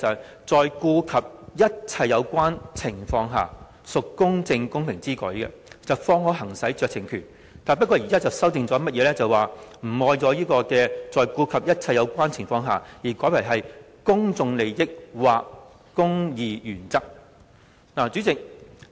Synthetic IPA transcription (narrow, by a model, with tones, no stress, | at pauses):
œ˨ | t͡sɔː˨jkuː˧kʰɐ˨p̚jɐ˥t̚t͡sʰɐ˧jːɐ˨˧wkʷaː˥nt͡sʰɪ˨˩ŋfɔː˧ŋɦa̰ː˨ | sʊ˨kkːʊ˥ŋt͡sɪ˧ŋkʊ˥ŋpʰɪ˨˩ŋt͡siː˥kɔ̰ː˨˥jkɛ̰˧ | t͡sɐ˨wfɔː˧ŋhɔː˨˥ɦɐ˨˩ŋsɐ˨˥jt͡ʃœː˨k̚t͡sʰɪ˨˩ŋkʰyː˨˩n | t̪aː˨npɐ˥t̚kʷːɔː˧˩jiː˨kaː˥t͡sɐ˨˩wsɐ˥wt̪ɪ˨ŋt͡sɔː˨˥mɐ˥t̚jɛː˨˧˥lɛː˥t͡sɐ˨waː˨m̩˨˩ɔː˧jt͡sɔː˨˧jiː˥kɔː˧kɛː˧t͡sɔː˨jkuː˧kʰɐ˨p̚jɐ˥t̚t͡sʰɐ˧jːɐ˨˧wkʷaː˥nt͡sʰɪ˨˩ŋfɔː˧ŋɦa̰ː˨jiː˨˩kɔː˨˥jpʰa˨˩ɦɐ˨j | kʊ˥ŋt͡sʊ˨˧ŋle˨˧jjɪ˥k̚waː˨kː | ʊ˥ŋjiː˨˧jyː˨˩nt͡sɐ˥k̚ | naː˨˩t͡ʃyː˨˥t͡sɪ˨k̚